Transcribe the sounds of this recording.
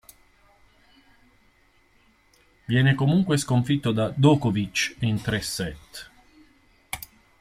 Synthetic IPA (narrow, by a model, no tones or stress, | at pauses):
vjɛːnekomuŋkweskoɱfit̪ːod̪ad̪ɔːkovit͡ʃint̪ɾɛsɛt̪ː